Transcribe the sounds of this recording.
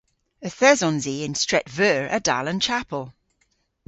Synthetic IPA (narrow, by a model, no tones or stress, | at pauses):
əθɛzɔ̃nziːɪ̃nstɹ̥ɛtvɜːɹʔəda̰lˠə̃nt͡ʃʰapʰəlˠ